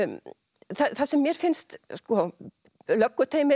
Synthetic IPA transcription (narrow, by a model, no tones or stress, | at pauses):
θaθasɛmːjɛɾ̥fɪnst̪skɔ | lœkːʏt̪ʰeːjmɪ